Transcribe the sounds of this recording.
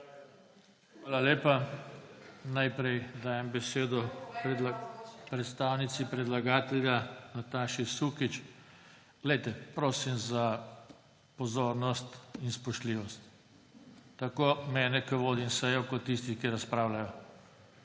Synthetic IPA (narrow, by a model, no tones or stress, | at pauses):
xʋaːlaleːpa | najpɾɛjd̪aːjɛmbɛseːd̪ɔpɾ | pɾɛt̪st̪aːwnit̪sipɾɛd̪laɡaːt̪ɛljanat̪aːʃisukit͡ʃ | ɡ̥lɛjt̪ɛpɾoːsimza | pɔzoːɾnɔst̪inspɔʃt̪liːʋɔst̪ː | akoːmɛːnɛkəʋoːd̪imsɛjɔkɔt̪ːis̬t̪ixkiɾaspɾaːwlajɔ